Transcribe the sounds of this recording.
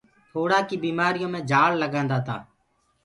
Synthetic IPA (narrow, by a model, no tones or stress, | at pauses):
t̪ʰoːɽaːkiːbiːmaːɾɪjõːmẽːd͡ʒʱaːlləɡãːnd̪aːt̪a̰ː